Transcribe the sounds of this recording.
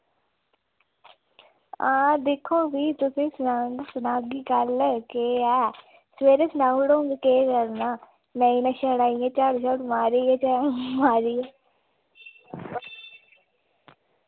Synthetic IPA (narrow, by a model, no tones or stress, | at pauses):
ãːd̪ɪkʰːõːʋiːt̪ʊsĩːsaŋɡsənaːɡiːkəlkeːɛː | sʋeːɾeːsənaːɡɽoːŋɡkeːkəɾnaː | mɛ̃ːinãːʃɛːɽaːijãːt͡ʃaːɽʃaːʈmaːɾiːeːt͡ʃamaːɾiː